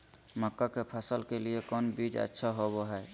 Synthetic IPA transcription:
məkːakepʰəsəlkeliekɔnbid͡ʒə̰tːʃʰaɦoboɦɛ

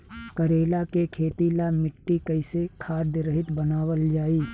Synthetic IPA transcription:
kəɾeːlakekʰeːt̪ilamɪʈːikəɪsekʰaːd̪ɾəɦɪt̪bənaːwəld͡ʒaːiː

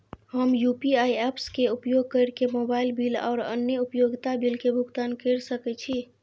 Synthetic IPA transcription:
ɦəmjupiaiɛpskeupjoɡ̚kəɾkemobailbila̰ːʊɾə̰njəupjoɡt̪abilkebʱukt̪ankəɾsəkɛt͡ʃʰi

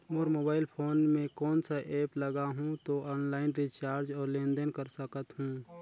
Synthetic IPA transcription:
moːɾmoːbaːɪlpʰoːnmẽkɔːnsaʔɛːpləɡaɦũt̪oɔːnlaːɪnɾit͡ʃaːɾd͡ʒɔːɾlẽːnd̪ənkəɾsəkət̪ɦũː

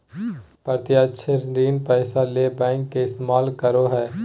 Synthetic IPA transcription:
pəɾt̪ɪjaʃʰeɾɾiːnpɛːsalebɛ̃ːŋkːeɪst̪emaːlkəɾoɦɛː

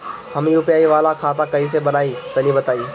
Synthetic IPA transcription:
hɐmijʊːpjaːiʋaːlakʰaːt̪ãkɐis̬ebɐnaːit̪ɐlibɐt̪aːiː

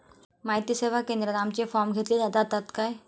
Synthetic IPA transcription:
maɦit̪iseʋ̤akẽnd̪ɾənamt͡ɕefɔɾmɡʱet̪liːd͡zad̪at̪at̪kaj

